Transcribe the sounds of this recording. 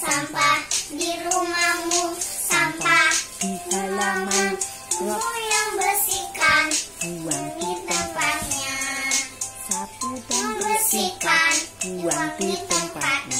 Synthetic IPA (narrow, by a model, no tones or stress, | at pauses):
sampahdiɾumamusampahalaman | mujaŋbəsikan | dit̪əmpat̪̚ɲa | jaŋbəsikanwait̪əpat̪ɲ